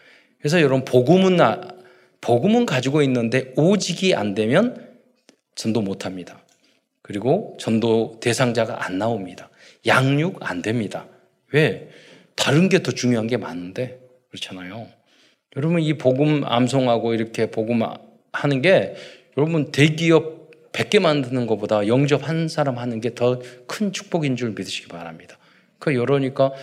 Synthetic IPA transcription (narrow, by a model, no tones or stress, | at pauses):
kes̬ʰʌjʌɾʌbpoɡɯmɯn | poɡɯmɯnkad͡ʑiɡoinːɯnde̞od͡ʑiɡia̰ndwe̞mjʌn | t͡ɕʌndomotʰamɲida | kɯɾiɡot͡ɕʌndote̞sʰaŋd͡ʑaɡa̰ʔanːaomɲida | jaŋɲuɡa̰ndwe̞mɲida | we̞ | taɾɯnɡe̞tʌt͡ɕuŋjoɦanɡe̞ma̰nɯnde̞ | kɯɾʌt͡ɕʰanajo | jʌɾʌbɯnipoɡɯma̰msʰoŋɦaɡoiɾʌkʰe̞poɡɯm | hanɯnɡe̞jʌɾʌbɯnte̞ɡiʌp̚p͈ːe̞k̚k͈e̞mandɯnɯnɡʌbodajʌŋd͡ʑʌp̚hansʰaɾamhanɯnɡe̞tʌkʰɯnt͡ɕʰu̥k̚p͈ʌɡind͡ʑuɾɯɭmidɯɕʰi̥ɡ̥ipaɾɦamɲid̥ḁ | kɯjʌɾʌɲik͈a